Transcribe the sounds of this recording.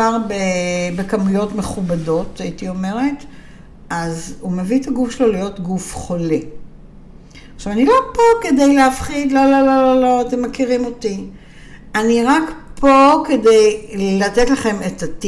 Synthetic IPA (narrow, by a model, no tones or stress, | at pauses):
aʁbebekamujo̞tmeχubado̞taitio̞me̞ʁe̞t | azume̞vit̪aɡufʃelolijo̞tɡufχo̞le | aχʃavanilopo̞ke̞de̞jleafχid̪lalalalalot̪emːakiʁimo̞ti | aniʁakpʰo̞ke̞de̞jlatetlaχe̞metat